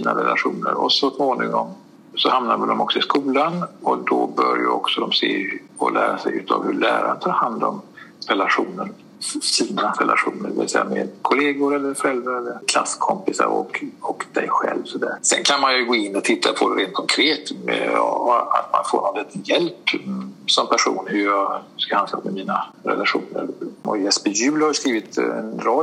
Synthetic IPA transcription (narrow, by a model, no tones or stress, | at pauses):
siːnaɾɛlʔaɧuːnəɾɔsɔt̪moːnɪŋŋɔm | sɔhamnaɾvɛld̪ɔmɔksɔɪskuːlanɔd̪ɔbœɾjəɔksɔd̪ɔmseːɾ | ɔlæːɾasɛjʉ̟ːt̪ʰɑvhɵɭæːɾant̪ʰɑːɾhand̪ɔmɾɛlaɧuːnəɾ | siːnaɾɛlʔaɧuːnəɾɖɛvɪsɛjːameːd̪kʰʊleːɡʊɾɛlːəɾfɔɾɛlvaɾɛlːəɾkʰlasːkʰɔmpɪsa̰ɾɔ̰kɔkd̪̥ɛjɧɛlvsɔd̪æːɾsɛnkʰanmanjɵɡoːɪnːɔt̪ʰɪt̪ʰːapʰɔɾeːnt̪̚kʰɔŋkʰɾeːt̪mɛ | a̰t̪ma̰nfoːnɔnɛt̪ʰːjɛlp | sɔmpʰæʂṵːnhɵjɑskahanlamɛmiːnaɾɛ̰laɧuːnəɾɔjɛspəjʉ̟ːlhaɾjəskɾiːvɪt̪ɛnɾɔ